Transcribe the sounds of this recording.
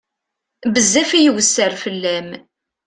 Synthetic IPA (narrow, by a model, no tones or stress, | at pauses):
bəzːæfijəwəsːəɾfəlːæm